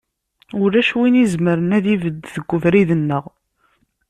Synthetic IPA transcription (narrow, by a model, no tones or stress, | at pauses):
ʊɾæʃwinizməɾənæðivəd̪ːðəɡʷːʊvɾiðənːəʁ